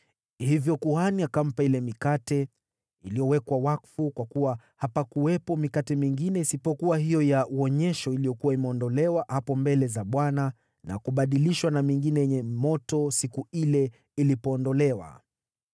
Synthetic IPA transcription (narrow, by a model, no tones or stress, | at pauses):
hivjɔkuhaniakam̩pailɛmikatɛ | ilijɔwɛkwawakfukwakuwa | hapakuwɛpɔmikatɛmiŋɡinɛisipɔkuwaɦijɔjauɔɲɛʃɔilijɔkuwaimɛɔndɔlɛwahapɔmbɛlɛzaɓwana | na̰kuɓaɗiliʃwanamiŋɡinɛjɛɲɛmɔtɔsikuilɛ | ilipɔːndɔlɛwa̰